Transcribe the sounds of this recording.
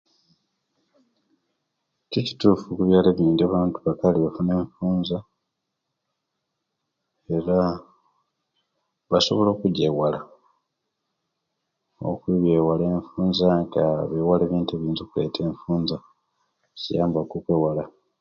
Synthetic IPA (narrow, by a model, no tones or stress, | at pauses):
cici̥tuːfukuβjaːleβiːndiaβaːntuβakaliβefuneːɱfuːnza | e̞ɾa | βaso̞βo̞lo̞ːkuɟewala | o̰kuβjewale̞ːɱfuːnzaŋɡaβewale̞ːβiːntueβiːnzukule̞̰tʰe̞ːɱfuːnza | cijaːmbakukweːwala